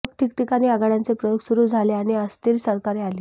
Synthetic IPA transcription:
kʈ̪ikʈikaɽ̃iːaɡaɽjant͡sepɾəjoɡsuɾuːd͡zʱaleaɽ̃iəst̪iɾsəɾkaɾeali

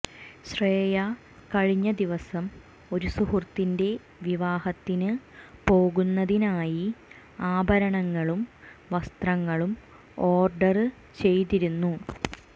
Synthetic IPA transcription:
ɕreːjɐ | kɐɻiɲːɐd̪iʋɐsɐm | o̞ɾusuhurt̪ːinde̞ | ʋiʋaːhɐt̪ːinɨpo̞ːɣunːɐðinaːji | aːbʱɐɾɐɳɐŋːɐɭumʋɐst̪rɐŋːɐɭum | o̞ːrɖɐrɨ | t͡ɕe̞jt̪iɾunːu

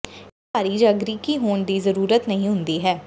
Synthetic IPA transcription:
aːɾiːd͡ʒaːɡɾiːkiːɦoːnd̪iːzəɾuːɾət̪nəɦĩːɦʊnd̪iːɦɛː

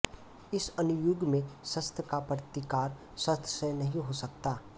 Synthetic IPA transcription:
ɪsɐnʊjʊɡmẽsɐst̪ʰkapɾt̪ikaːɾ | sɐst̪ʰsenɐɦĩɦosɐkt̪aː

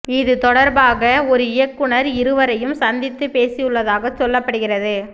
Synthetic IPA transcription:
ɪðɯt̪ɔɽɐɾbaːɣɐɔɾɯɪjɐkːɯɳɐɾɪɾɯʋɐɾɐjɯmsɐnd̪ɪt̪ːɯpeːsɪjɯɭːɐðaːɣɐt͡ʃːɔlːɐpːɐɽɯɣɪrɐðɯ

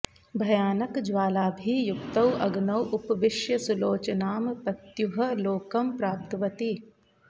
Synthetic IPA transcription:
bʱɐjaːnɐkd͡ʒʋaːlaːbʱijʊkt̪ɐwʔɐɡnɐwʔʊpʋɪʃjɐsʊloːt͡ʃɐnaːmpɐt̪jʊɦɐ̆loːkɐmpɾaːp̚t̪ʋɐt̪i

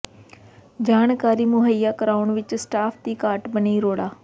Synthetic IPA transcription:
d͡ʒaːnkaːɾiːmʊɦəiːjaːkəɾaːʊɳʋɪt͡ʃsʈaːpʰd̪iːkaːʈbəniːɾoːɽaː

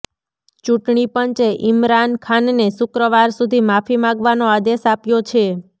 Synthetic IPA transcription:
t͡ʃuʈɳipəɲt͡ʃeʔɪmɾankʰanːesʊkɾəʋaɾsud̪ʱimafimãɡʋanoad̪esapjot͡ʃʰe

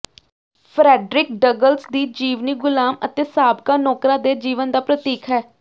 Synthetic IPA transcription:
pʰɾɛːɖɾɪk̚ɖəɡəlsd̪iːd͡ʒiːʋniːɡʊlaːmə̰t̪eːsaːbkaːnɔːkɾaːd̪eːd͡ʒiːʋənd̪aːpɾət̪iːkʰɦɛː

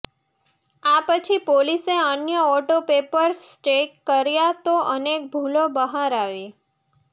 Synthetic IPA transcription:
apət͡ʃʰipoliseənjəɔʈopepəɾsʈekːəɾjat̪oʔənek̚bʱulobəɦaɾaʋe

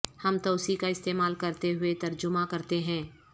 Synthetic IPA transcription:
hɐmt̪ɔːsikaɪst̪eːmaːlkɐɾt̪eɦʊet̪ɐɾd͡ʒʊmãkɐɾt̪eɦɛ̃ː

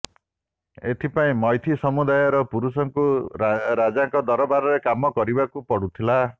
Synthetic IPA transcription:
et̪ʰipaĩmɔjt̪ʰisɔmud̪ajɔɾɔpuɾusɔŋkuɾad͡ʒaŋkɔd̪ɔɾɔbaɾɔɾekamɔkɔɾibakupɔɽut̪ʰila

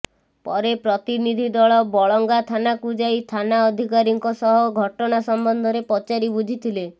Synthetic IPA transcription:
pɔɾepɾɔt̪inid̪ʱid̪ɔɭɔbɔɭɔŋɡat̪ʰanakud͡ʒait̪ʰanaɔd̪ʱikaɾiŋkɔsɔɦɔɡʱɔʈɔnasɔmbɔnd̪ʱɔɾepɔt͡ʃaɾibud͡ʒʱit̪ʰile

